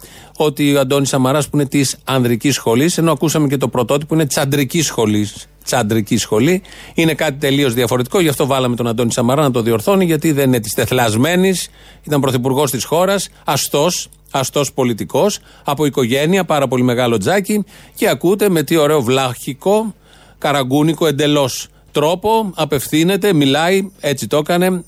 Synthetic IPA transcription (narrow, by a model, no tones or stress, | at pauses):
o̞t̪iɐnd̪o̞nisɐmɐɾɐspuine̞t̪isɐnðɾicisxo̞lise̞no̞ɐkusɐme̞ce̞t̪opɾo̞t̪o̞t̪̬ipo̞ine̞̥t͡sɐd̪ɾicisxo̞lis | t͡sɐnd̪ɾicisxo̞li | ine̞kɐt̪it̪e̞lio̞zðiɐfo̞ɾe̞t̪i̥ko̞ʝɐft̪o̞vɐlɐme̞t̪o̞nɐnd̪o̞nisɐmɐɾɐnɐt̪o̞ðio̞ɾθo̞niʝɐt̪iðenine̞t̪ist̪e̞θlɐzme̞nis | it̪ɐmpɾo̞θipuɾɣo̞st̪isxo̞ɾɐs | ɐst̪o̞s | ɐst̪o̞spo̞lit̪iko̞s | ɐpo̞iko̞ʝe̞niɐpɐɾɐpo̞lime̞ɣɐlo̞d͡zɐcice̞ɐkut̪e̞me̞t̪io̞ɾe̞o̞vlɐçiko̞ | kɐɾɐɡuniko̞e̞nd̪e̞lo̞s | t̪ɾo̞po̞ɐpe̞fθine̞t̪e̞milɐie̞t͡sit̪o̞kɐne̞